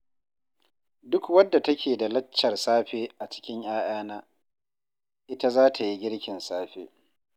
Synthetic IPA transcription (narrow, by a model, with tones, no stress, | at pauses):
dʊ˦kwɐ˦dːa˨tɐ˦kʲeː˨da˨lɐ˦t͡ʃːɐ˨rsaː˦ɸeː˦ʔa˨t͡ʃɪ̥˦kʲɪ˦ɲj̰aː˦ʔaː˦naː˦ | ʔɪ˦ta˦zaː˦tʰa˨ji˦ɡʲɪ˦ɽkʲɪ˨nsaː˦ɸeː˦